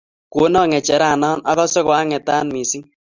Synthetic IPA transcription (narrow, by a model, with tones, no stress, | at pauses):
ko˨˦nɔ˦˨ŋɛ˨t͡ʃɛ˨ɾa˨nɔː˦na˦kɔ˦sɛ˦kwa˦ŋɛ˨taː˦nmi˨si˦ŋ